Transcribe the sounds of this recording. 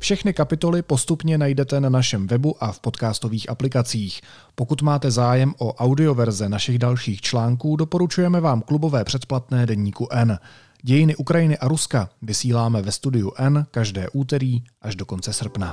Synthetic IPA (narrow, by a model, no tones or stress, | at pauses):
fʃɛxnɪkapɪt̪o̞lɪpo̞st̪upɲɛnajdɛt̪ɛnanaʃɛmvɛbuʔafpo̞t̪kaːst̪o̞viːxʔaplɪkat͡siːx | po̞kut̪maːt̪ɛzaːjɛmʔo̞ʔawdɪo̞vɛɾzɛnaʃɪɣdalʃiːxt͡ʃlaːŋkuːdo̞po̞ɾut͡ʃujɛmɛvaːmklubo̞vɛːpr̝̥ɛt̪plat̪nɛːdɛɲiːkuʔɛn | ɟɛjɪnɪʔukɾajɪnɪʔaɾuskavɪsiːlaːmɛvɛst̪udɪjuʔɛnkaʒdɛ̰ːʔuːt̪ɛɾiːʔaʒdo̞ko̞nt͡sɛsr̩pna